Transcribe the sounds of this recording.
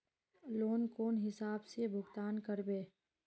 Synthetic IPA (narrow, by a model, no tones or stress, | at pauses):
loːnkoːnɦɪsaːbsebʱʊɡt̪aːnkəɾbeː